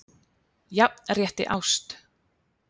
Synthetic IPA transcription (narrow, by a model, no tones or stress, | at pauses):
jarjɛht̪ɪ̰ʔawst̪